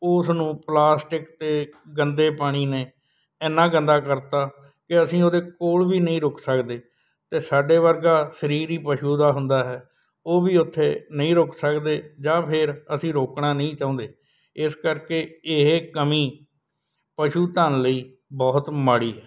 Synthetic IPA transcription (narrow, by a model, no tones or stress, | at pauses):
ʊsnũːplaːsʈɪkt̪eːɡənd̪eːpaːɽ̃iːneː | ɛːnːãːɡə̃nd̪aːkəɾt̪aː | kɪəsĩːoːd̪eːkoːlʋiːnəĩːɾʊksəkd̪eː | t̪eːsaːɖeːʋəɾɡaːsəɾiːɾiːpəʃuːd̪aːɦʊnd̪aːɦɛː | oːʋiːʊt̪ʰːeːnəĩːɾʊksəkd̪eːd͡ʒãːpʰɪɾəsĩːɾoːkɳaːnəĩːt͡ʃãːnd̪eː | ɪskəɾkeːɪɦekəmĩː | pəʃuːt̪aːnləiː | bɔːt̪maːɽiːɦɛː